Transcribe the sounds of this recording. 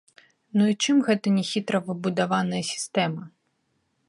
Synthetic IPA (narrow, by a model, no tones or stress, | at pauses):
nuit͡ʂɨmɣɛt̪ɐnʲɛxʲit̪ɾɐvɨbud̪avanɐjɐsʲi̥st̪ɛmɐ